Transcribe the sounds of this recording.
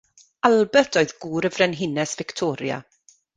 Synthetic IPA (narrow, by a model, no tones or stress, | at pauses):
alˠbɛtʰoɨðɡuːɾəvrɛnɦɪnɛsv̥ɪktʰɔːɾja̰